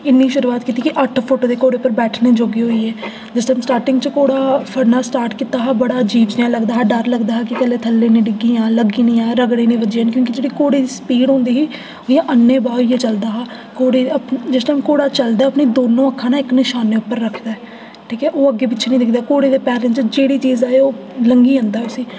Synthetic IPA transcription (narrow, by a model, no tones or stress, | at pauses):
ɪnːiːʃʊɾuːaːt̪kiːt̪iːkɪʔəʈʰpʰʊʈd̪eːkoːɽeːpəɾbɛːʈʰniːd͡ʒoːɡiːɦoːiːɛː | d͡ʒɪsʈaːmsʈaːɾʈɪ̃ŋɡt͡ʃəkoːɽaːpʰəɾnaːsʈaːɾʈkiːt̪aːɦaːbəɽaːd͡ʒiːʋd͡ʒnjãːləɡd̪aːɦaːɖəɾləɡd̪aːɦaːkɪk̪əleːt̪ʰəlːẽːneːɖɪɡĩːãːləɡĩːnĩːãːɾəɡɽẽːnẽːʋəd͡ʒiːənkjõːkid͡ʒeːɽiːkoːɽiːspiːɽõːnd̪iːɦiː | ojãːʔənːẽːbaːiːeːt͡ʃəld̪aːɦaː | koːɽeːəpd͡ʒɪsʈaːmkoːɽaːt͡ʃəld̪aːɛəpneːd̪oːnõːəkʰːãːnaːɪknɪʃaːnːeːʊpːəɾːəkʰd̪aːɛː | ʈʰiːkɛːʔoːəɡeːpɪt͡ʃːt͡ʃʰnĩːd̪ɪkd̪aːkoːɽeːd̪eːpɛːɾə̃t͡ʃd͡ʒeːɽiːt͡ʃiːzaːeːoː | ləŋɡiːə̃nd̪aːɦɛʊsiː